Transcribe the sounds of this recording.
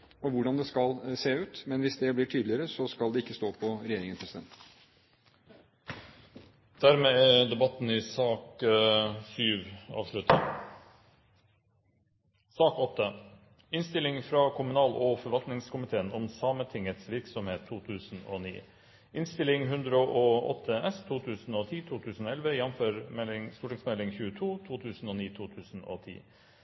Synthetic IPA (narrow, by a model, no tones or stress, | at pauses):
ɔʋʊɖɑnd̪ɛskɑlseːʉːt̪mɛnʋɪsd̪ɛblɪʈʰyːd̪lɪəɾəsɔskɑld̪ɛɪkːəst̪oːpʰɔɾɛjeːɾɪŋənspʰɾɛsɪd̪ɛ̰nt̪ | d̪̥æɾmeːæd̪ɛbɑt̪ːn̩ɪsɑːk | syːʋɑ̰ːʋʂlʉt̪ə | sɑːkɔt̪ːə | ɪnst̪ɪlɪŋfɾɑːkʰʊmʉnɑːlɔfɔɾʋɑlt̪nɪŋskʊmɪt̪ʰeːənɔmsɑːmət̪ʰɪŋət̪sʋɪɾksɔmheːt̪ʰːuːt̪ʰʉːsn̩o̰ːnḭː | ʔɪnst̪ɪlɪŋɦʉnd̪ɾəoʔɔːɔ̰t̪ʰːəɛst̪ʰuːt̪ʰʉːsn̩oːt̪ʰiːt̪ʰuːt̪ʰʉːsn̩ɔːɛlʋəjɛnføːɾmɛlɪŋst̪uːʈɪŋsmɛlɪŋçʉːət̪ʰuːt̪ʰuːt̪ʰʉːsn̩oːniːt̪ʰuːt̪ʰʉːsn̩o̰ːt̪ʰḭː